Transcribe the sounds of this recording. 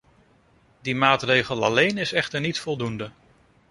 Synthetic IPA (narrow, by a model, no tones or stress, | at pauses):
dimaːtrejχəlˠɑ̰lejnɪsɛχtəɹnitfɔlˠdundə